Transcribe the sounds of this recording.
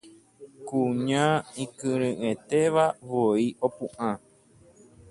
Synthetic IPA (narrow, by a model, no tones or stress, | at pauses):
kuɲãĩkɨɾɨ̃ʔẽt̪eʋaʋoiopũʔã